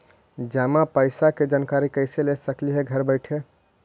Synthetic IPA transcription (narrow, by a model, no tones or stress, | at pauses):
d͡ʒamapəɪsaked͡ʒankaɾikəɪselesəkliɦeɡʱəɾbəɪʈʰe